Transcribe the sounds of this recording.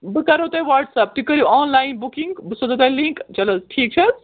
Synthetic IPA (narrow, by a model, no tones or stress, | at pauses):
bɨkɐɾot̪ajʋɐːɾɖsɐp̚t̪ukəɾiɔːnlaːjnbukiŋɡbɨsod̪ɐt̪ajliŋkt͡ʃɐlɐsʈʰiːk̚t͡ʃʰɐz